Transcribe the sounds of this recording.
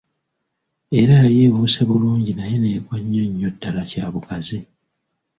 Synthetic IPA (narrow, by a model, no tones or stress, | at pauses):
e̞ɾaːlje̞ːβuseβuluːɲɟinajene̞ːɡwaɲːo̞ɲːotːalacaːβukazi